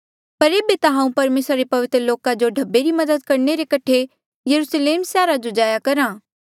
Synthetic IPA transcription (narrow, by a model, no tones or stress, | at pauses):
pɐɾeːbet̪aɦãːũpɐɾmeːsɾaɾepɐʋɪt̪ɾəloːkad͡ʒoɖʱɐbːeɾimɐd̪əd̪̚kɐɾneɾekɐʈʰe | jɐɾusleːmsaːɾad͡ʒod͡ʒaːjakɐɾãː